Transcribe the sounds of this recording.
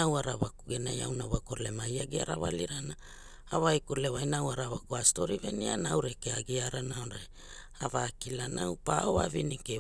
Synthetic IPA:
awaɾaβakuɡenaja̰wnaβakoɾlemajaɡiaɾa̰βa̰liɾana | aβajkuɾleβajnawaɾaβakuasto̞ɾivenianawɾekeaɡiaɾanaoɾa | avakilanʔawpaoa̰vinike

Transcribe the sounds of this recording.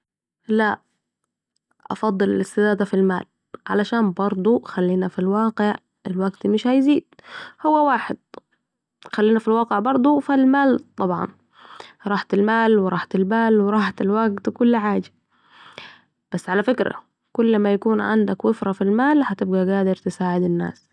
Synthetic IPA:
la | ʔɑ̰fɑd̪ˤːɨlɪ̰lɪst̪ɪd̪aːd̪afilma̰ːl | ʕa̰laʃaːnbɑɾˤd̪ˤuxalːiːnafilwɑːqɪʕ | ɪlwaɡt̪mɪʃhajziːd̪̥̚hʊwːawaːħɪd̪̥̚ | xalːiːnafilwɑːqɪʕbɑɾˤd̪ˤufilmaːlt̪ˤɑbʕɑ̰n | ɾˤɑːħt̪ɪlmaːlwɪɾˤɑːħt̪ɪlbaːlwɪɾˤɑːħt̪ɪlwaɡt̪kʊlːħaːd͡ʒḁ | b̥asːʕalafɪkɾa̰ | kʊlːmajakuːnʕa̰nd̪akwɪfɾˤɑfilmaːlhat̪ɪbɡaɡaːd̪ɪɾt̪ɪsaːʕɪd̪ɪnːa̰ːs

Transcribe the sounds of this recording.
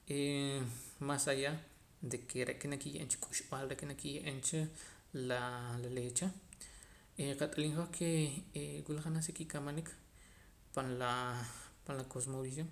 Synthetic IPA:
ʔe | masaja | d̪ekʰeɾḛʔkenakijḛʔent͡ʃḁkʼuʃɓaːlɾeʔkenakijeʔent͡ʃa | lalalet͡ʃa | eqat̪ʼaliŋχohkʰe | wilaχanasekikamanik | panla | panlakos̬moβis̬joŋ

